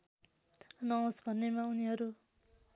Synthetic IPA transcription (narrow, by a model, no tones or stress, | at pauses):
nʌõsbʱʌnːemauniɦʌɾu